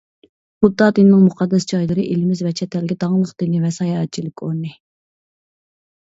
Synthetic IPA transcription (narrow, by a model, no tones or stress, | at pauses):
χʊd̪ːɑːd̪ɨnːɪŋmuqʰɑd̪ːɛsd͡ʒɑjlˠɨɾɨʔelɪmɪzvɛt͡ʃʰɛt̪ʰɛlɡʲɛd̪ɑŋlˠəqd̪̥ɨnɪvɛsɑjɑɛt̪̚t͡ʃʰilɪkʲoɾnɨ